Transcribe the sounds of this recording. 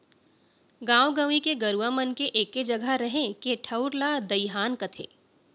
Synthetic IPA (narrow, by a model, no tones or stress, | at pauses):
ɡãːwɡaːʋikeɡɐɾuamənkeʔeːkːed͡ʒɐɡʱaɾɐɦẽkeʈʰɐʊɾlad̪ɐiɦaːnkɐt̪ʰḛː